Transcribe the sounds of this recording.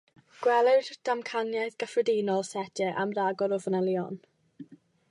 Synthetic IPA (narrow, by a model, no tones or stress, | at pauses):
ɡ̥wɛlˠɛwdd̥amkʰanjajðɡ̥əfrədinɔlˠsɛdɛʔamraɡɔɾɔvənɛlˠjɔn